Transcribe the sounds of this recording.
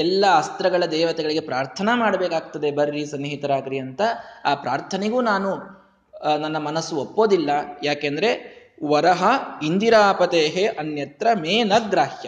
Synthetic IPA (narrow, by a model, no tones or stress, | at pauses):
ɛlːɐɐst̪ɾɐɡɐɭɐd̪ɛːʋɐt̪ɛɡɐɭiɡe̞pɾaːɾt̪ʰɐnɐmaːɽɐbɛːkaːɡ̚t̪ɐd̪e̞bɐɾːisɐnɦit̪ɐɾaːɡɾiɐnt̪ɐaːpɾaːɾt̪ʰɐneɡuːnaːnu | nɐnːɐmɐnɐsːuopːo̞ːd̪ilːɐjaːkeːnd̪ɐɾe̞ | ʋɐɾɐɦɐind̪iɾaːpɐt̪eːɦeʔɐnjɐt̪ɾɐmeːnɐɡɾaːhjɐ